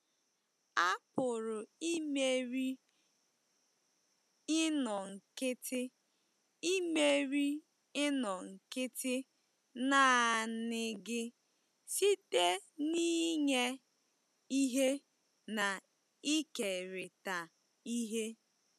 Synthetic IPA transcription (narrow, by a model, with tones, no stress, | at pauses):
a˦pʊ˨ɾʊ˨i˦me˦ɾi˦ | ɪ˦nɔ˨ŋ̩˨kɪ˦tɪ˦ | i˦me˦ɾi˦ | ɪ˦nɔ˨ŋ̩˨kɪ˦tɪ˦ | naː˦˨nɪ˦ɡɪ˦ | si˦te˦ni˦ɲe˦ | i˦ɦe˦ | na˨ | i˦ke˨ɾɪ˨ta˨ | i˦ɦe˦